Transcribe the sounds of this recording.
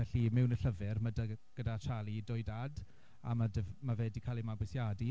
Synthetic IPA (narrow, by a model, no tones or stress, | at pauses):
ɛɬimɪwnəɬəvɛrmədaɡ̥ədat͡ʃʰalidɔɨdad | a̰madəvmavɛdikʰaːlˠimabwɛsjadi